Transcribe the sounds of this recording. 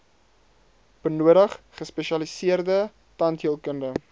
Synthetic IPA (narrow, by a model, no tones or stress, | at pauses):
pənuəɾəχ | χəspɛʃiɐlisiərdə | tɐntɦiəlˠkəndə